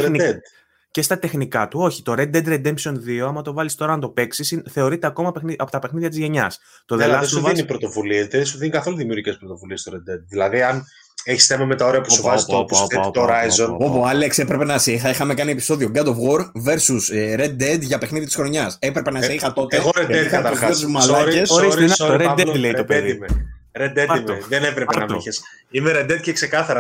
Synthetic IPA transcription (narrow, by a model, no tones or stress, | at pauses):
ɾnied̪ | ce̞st̪ɐt̪e̞xnikɐt̪uo̞çi̥t̪o̞ɾed̪ed̪ɾed̪e̞mpsio̞nðio̞ɐmɐt̪ovɐlist̪o̞ɾɐːnt̪o̞pe̞ksisinθe̞o̞ɾit̪e̞ɐko̞mɐpexniɐpot̪ɐpexniðʝɐt̪izʝeɲɐs | t̪oðelɐssovenipɾot̪o̞vuliezðeðsuðinikɐθo̞luðimiuɾɣʝice̞spɾot̪o̞vuliest̪oɾed̪ed̪̚ðilɐðiɐn | eçisθe̞mɐme̞t̪ɐoɾeɐpusuvɐzit̪opθet̪ooɾɐjzzo̞nopoɐlekse̞pɾe̞penɐsxɐixɐme̞kɐnie̞pi̥so̞ðio̞ɡɐd̪o̞vɣo̞ɾve̞ɾsusɾed̪ed̪ʝɐpe̞xniðit̪isxɾo̞ɲɐsepɾe̞penɐseixɐt̪o̞t̪eɣoɾeed̪kɐt̪ɐɾaot̪uzmɐlɐɾesɾsoɾed̪let̪odp̪eime | ɾed̪eimðenevɾepeɐmiçes | imeɾed̪ed̪̚cekse̞kɐθɐɾɐ